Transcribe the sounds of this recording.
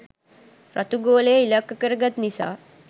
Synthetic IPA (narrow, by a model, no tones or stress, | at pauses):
rʔa̰t̪uɡoːlejəilakːəkəɾəɡat̪nisa̰ː